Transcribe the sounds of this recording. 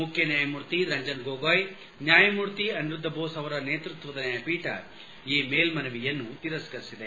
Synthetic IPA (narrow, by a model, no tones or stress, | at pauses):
mukʰjɐnjaːjɐmuːɾt̪iɾɐɲd͡ʒɐnɡoːɡoːj | njaːjɐmuːɾt̪iɐnɾud̪ʱːɐboːsɐʋɐɾɐneːt̪ɾut̪ʋɐd̪ɐnjɐpiːʈɐ̰ | iːmeːlmɐnɐʋijɐnːut̪iɾɐskɐɾisid̪e